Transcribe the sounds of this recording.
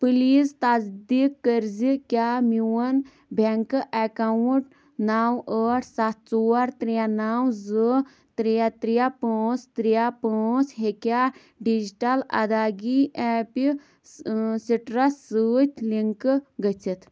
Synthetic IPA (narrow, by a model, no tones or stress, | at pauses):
pɨlist̪azd̪ikːəɾzikʲamiwən | bʱeŋkɨʔɐkawuʈ | nawəːʈʰsat̪̚ʰt͡soːɐɾt̪ɾijanaːwzɨ | t̪ɾijat̪ɾijapəːt͡st̪ɾijapəːt͡sɦekʲa | ɖid͡ʒiʈalɐ̰d̪aɡiʔɛpi | siʈɾɐssɨːt̪ʲʰliŋkɨɡət͡sʰit̪